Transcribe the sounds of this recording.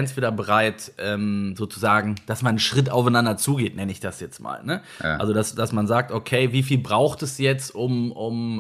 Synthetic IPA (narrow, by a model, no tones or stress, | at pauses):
ɛnsv̥eːdɐbəʁaɪtʔɛːmzoːt͡suzaːɡŋ̩d̥asmannʃʁ̥ɪt̬aʊfaɪnandɐt͡suːɡeːtnɛnəɪçd̥asjɛt͡stma̰ːlnə | a̰lzodasd̥asmanzaːk̚tʔokʰeɪviːfiːlbʁaʊxtɛsjɛt͡stʔʊmʊm